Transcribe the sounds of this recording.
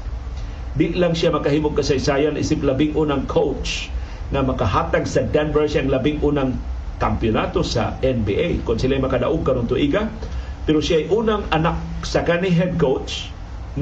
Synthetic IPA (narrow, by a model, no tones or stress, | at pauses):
d̪ɪʔlaŋʃamɐkaɦiːmoɡ̚kasajsajanʔḭsɪp̚labɪŋʔunaŋkʰowt͡ʃ | ŋamɐkaɦaːt̪aɡsad̪anbɛɹsaŋlabɪŋʔuːnaŋ | kampjʊnat̪osa̰ʔɛnbḭʔejkʊnsɪlaːjmɐkad̪a̰ʔoɡ̚kaɾont̪ʊʔiɡa | pɛɾoʃjaʔːjʔuːnaŋanak̚sakanɪɦɛd̪̚kowtt͡ʃ